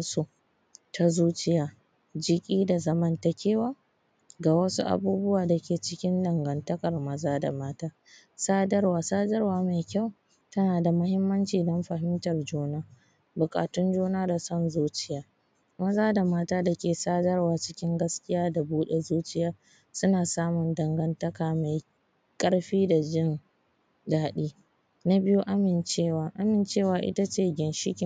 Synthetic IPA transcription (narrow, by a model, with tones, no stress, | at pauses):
su˦ | tʰa˦zuː˦t͡ʃɪ˦jaː˦ | d͡ʒɪ˦kʲʼiː˦da˨zɐ˦mɐ˦nta˨kʲeː˦wa˦ | ɡaː˨wɐ˦sṵ˦ʔa̰˨buː˦bʊ˦waː˨da˨kʲeː˨t͡ʃɪ˦kʲɪ˦ndɐ˨ŋɡɐ˨ntɐ˦kʼɐ˨rmɐ˦zaː˦da̰˨maː˦taː˦ | saː˦dɐ˦rwaː˨saː˦dɐ˦rwaː˨ma˨kʲa˦˨w | tɐ˦naː˨da˨mʊ˦hɪ˦mːɐ˦nt͡ʃiː˨dɔ˦mɸɐ˨ɦɪ˦mtɐ˨rd͡ʒoː˦naː˦ | bʊ˨kʼa̰ː˨tʊ˦nd͡ʒoː˦naː˦da˨sɔ˦nzuː˦t͡ʃɪ˦jaː˦ | mɐ˦zaː˦da˨maː˦taː˦da˨kʲeː˨saː˦dɐ˦rwaː˨t͡ʃɪ̥˦kʲɪ˦ŋɡɐ˦skʲɪ˦jaː˦da˨buː˦ɗe˨zuː˦t͡ʃɪ˦jaː˦ | sʊ˦naː˨saː˦mʊ˨ndɐ˨ŋɡɐ˦ntɐ˦kaː˨ma˨j | kʼɐ˦ɽɸiː˦da˨d͡ʒɪ˦n | daː˨ɗiː˦ | na˦bɪ˦ju˦ʔa˦mɪ˨nt͡ʃeː˦˨waː˨ʔa˦mɪ˨nt͡ʃeː˦˨waː˨ʔɪ̰˦ta˦t͡ʃeː˦˨ɡʲɪ˨nʃɪ˦kʲɪ˨˦